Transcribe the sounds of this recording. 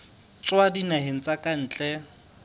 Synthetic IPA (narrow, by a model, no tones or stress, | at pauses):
t͡sʼwadinaɦen̩t͡sʼakʼan̩ːt͡ɬʼɛ